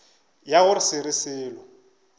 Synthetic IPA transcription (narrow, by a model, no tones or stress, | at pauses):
jaɣʊrɪsɪɾɪsɪːlɔ